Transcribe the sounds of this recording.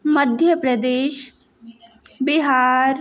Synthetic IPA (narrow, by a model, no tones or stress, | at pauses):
mɐd̪ʱjəpɾɐd̪eːʃ | biɦaːɾ